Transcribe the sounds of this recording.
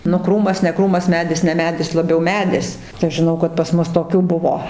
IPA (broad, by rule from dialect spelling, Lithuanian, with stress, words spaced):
nʊ ˈkruːmɐs nʲɛ ˈkruːmɐs ˈmʲæːdʲɪs nʲɛ ˈmʲæːdʲɪs lˠɐˈbʲɛʊ ˈmʲæːdʲɪs tɐɪ ˈɐʃ ʒʲɪˈnɐʊ kɐt pɐs ˈmʊs toːˈkʲuː ˈbʊʋoː